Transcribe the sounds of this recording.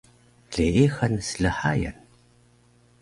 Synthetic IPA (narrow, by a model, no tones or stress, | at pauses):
ɮeːʔeːxɐnsɨɮɨħaːjɐ̰n